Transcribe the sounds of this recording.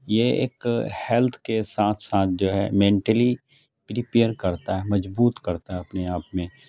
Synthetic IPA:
jeḛːkhɛlt̪ʰkesaːt̪ʰsaːt̪ʰd͡ʒoːɦɛ̰mẽːɳʈəli | pɾipeːəɾkɐɾt̪aɦɛmɐzbuːt̪kɐɾt̪aɦɛɐpneaːpmẽ

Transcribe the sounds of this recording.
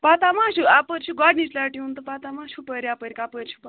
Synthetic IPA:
pat̪amaʃuapəɾʲt͡ʃʰuɡaɖnit͡ʃlaʈiunt̪əpat̪amaɕʰupəɾiapəɾʲikapəɾʲt͡ʃʰu̥p

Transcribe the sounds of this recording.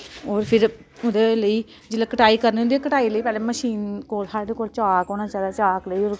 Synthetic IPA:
oːɾpʰɪɾ | ʊd̪eːləiː | d͡ʒɪlːeːkəʈaːiːkəɾnʊnd̪iekəʈaːiːləiːpɛːleːməʃiːnkoːlsaːɾɖeːkoːlt͡ʃaːkoːnãːt͡ʃaːlaːt͡ʃaːkləiːoːɾ

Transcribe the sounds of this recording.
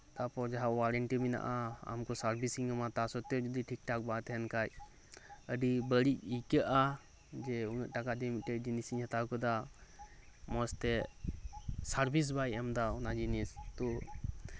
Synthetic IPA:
t̪apɔɾd͡ʒaɦawaɾəɳʈimina̰ʔaa̰mkɔsaɾbʱisiŋamat̪asɔt̪ɛd͡ʒɔd̪iʈʰik̚ʈak̚bat̪ɛɦɛnkaj | əɖibəɽic̚ikəʔa | d͡ʒɛunəʔʈakad̪ɛmiʈɛd͡ʒinisiɲhɛt̪akɔd̪a | mɔst̪ɛ | saɾbʱis̬bajɛmd̪aɔnad͡ʒinist̪ɔ

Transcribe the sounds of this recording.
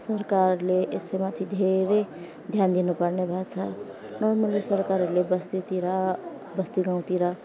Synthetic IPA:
sʌrkarleʔesejmat̪ʰid̪ʱeɾe | d̪ʱjand̪inupʌrnebʱat͡sʰʌnʌrmʌlisʌɾkaɾlebʌst̪it̪iɾʌ | bʌst̪iɡãw̃t̪iɾʌ

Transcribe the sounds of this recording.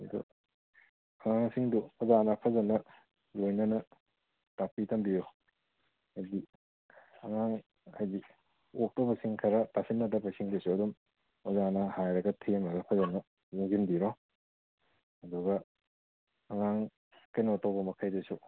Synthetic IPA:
ɐdṵ | ɐŋaŋsiŋduɔzanɐpʰɐzɐnɐ | lojnɐnɐ | tapitɐmbiɾo | ajdi | ɐŋaŋ | ajdi | ok̚towbɐsiŋkʰɐɾɐtasinːɐdɐbɐsiŋdesuɐdum | ɔzanɐhajɾɐɡɐtʰemɐɡɐpʰɐzɐnɐ | zuŋɡinbiɾo | hɐduɡɐ | ɐŋaŋ | kenotawbɐmɐkʰajdesu

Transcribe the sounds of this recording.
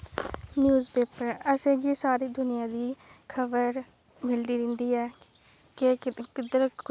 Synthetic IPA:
njuːzpeːpəɾəsẽːɡiːsaːɾiːd̪ʊnɪjãːd̪iːkʰəbəɾ | mɪld̪iːɾɪ̃ːnd̪iːɛː | kekɪd̪əɾ

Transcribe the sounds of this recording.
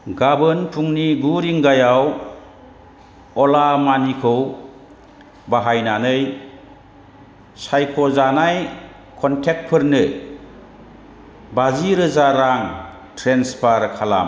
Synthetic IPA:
ɡabɯnpʰuŋniɡuɾiŋɡajaw | ɔlamanikʰɯw | baɦajnanɯj | sajkʰɔzanaj | kʰɔntʰek̚pʰɯɾnɯ | baziɾɯzaɾaŋ | tʰɾenspʰaɾkʰala̰m

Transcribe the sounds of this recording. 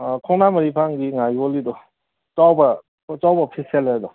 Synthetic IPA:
kʰɔŋnamɐɾipʰaŋɡiŋajɔlidɔ | t͡ʃawba | t͡ʃawbapʰiseladɔ

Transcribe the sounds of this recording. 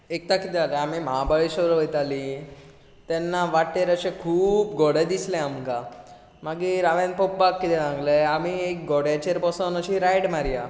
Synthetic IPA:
ek̚t̪akit̪ealeamiməɦabaɭiɕəɾʋəjt̪ali | t̪ɛnːaʋaʈːeɾəɕekʰuːp̚ɡoɽed̪islẽamka | maɡiɾaʋenpopːakːit̪ʰɛd͡zãŋɡleamiek̚ɡoɽat͡ɕeɾpɔsənəɕiɾajɽmaɾija

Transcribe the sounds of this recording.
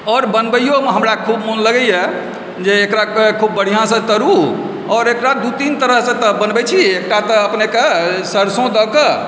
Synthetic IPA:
ɔːɾbənbəjomeɦəmɾakʰubmunləɡɛɛ | d͡ʒeːkɾakkʰubːəɽ̤ijãsə̃t̪əɾu | ɔɾekɾad̪ut̪int̪əɾəɦsə̃t̪ɔbənbɛt͡ʃʰiek̚ʈat̪ɔəpnekesəɾsõd̪ɔke

